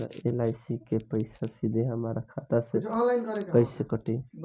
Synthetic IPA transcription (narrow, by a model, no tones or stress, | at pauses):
ḛlajsikepəɪsasid̪ʱeɦəmɾakʰat̪aselakɾkəjsekəʈi